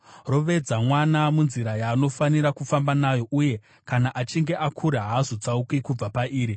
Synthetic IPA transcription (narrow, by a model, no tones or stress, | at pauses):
ro̞ʋe̞d͡zamwanamunziɾajaːno̞faniɾakufambanajo̞ʔuje̞ | kanaʔat͡ʃiŋɡe̞ʔakʰuɾaɦazod͡zaukikub͡vapaʔiːɾi